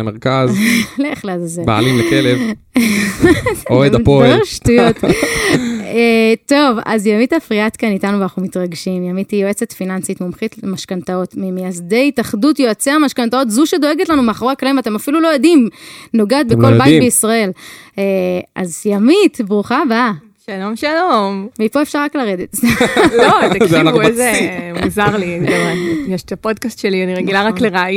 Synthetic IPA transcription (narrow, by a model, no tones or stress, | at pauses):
lemeʁkazleχleazazeba̰a̰limlekelev | oepoʃtujot̪ | et̪o̞va̰zjamitafʁiat̪kanitanuvanaχnumit̪ʁaɡʃimjamitijoet͡set̪finansitmomχit̪maʃkant̪ao̞tmimejazde̞jtaχdutjoat͡seamaʃkant̪ao̞t̪zuʃed̪o̞eɡetlanumeaχʁaklimat̪e̞mafilulojadimno̞ɡaat̪̚beko̞lbajttbeisʁae̞leʔa̰zjamit̪bʁuχaba | ʃalo̞mʃalomveipoefʃaʁːaklaʁed̪etzelot̪akanuezemuzaʁliamjeʃt̪apodkast̪ʃelianiʁeɡilaʁakleʁaaj